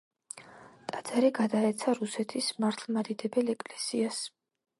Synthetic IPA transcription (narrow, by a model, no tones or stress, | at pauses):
t̪ʼad̪z̥aɾiɡad̪aɛt̪sʰaɾusɛt̪ʰismaɾt̪ʰlˠmad̪id̪ɛbɛlɛkʼlɛsias